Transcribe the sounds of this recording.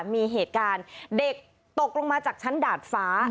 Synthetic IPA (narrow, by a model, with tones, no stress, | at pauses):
miː˧ɦeː˨˩t̪̚kaː˧nde˨˩k̚ | t̪o˨˩k̚lo˧ŋmaː˧t͡ɕaː˨˩k̚t͡ɕʰa˦˥ndaː˨˩t̪̚faː˦˥